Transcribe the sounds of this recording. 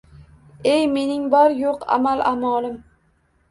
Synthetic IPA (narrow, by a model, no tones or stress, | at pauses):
ejme̞nɪŋbɒɾjoqa̰malˠʔamɒlˠɪm